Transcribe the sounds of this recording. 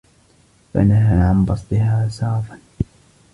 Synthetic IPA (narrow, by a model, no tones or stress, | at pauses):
fa̰naɦaːʕanbɑsˤt̪ˤɪhaːsɑːfan